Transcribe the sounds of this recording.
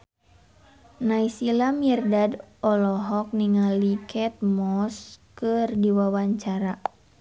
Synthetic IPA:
naisilamiɛrdadɔlɔɦɔk̚niŋalikʰɛt̪̚mɔskɨrdiwawaɲt͡ʃaɾa

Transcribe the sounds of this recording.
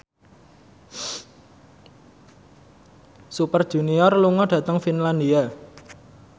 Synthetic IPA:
supərd̥ʒ̥ṳniɔrluŋɔɖ̥ä̤t̪əŋfinland̪ia

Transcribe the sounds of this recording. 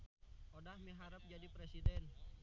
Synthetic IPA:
ʔodahmiɦaɾəp̚d͡ʒadipɾesidɛn

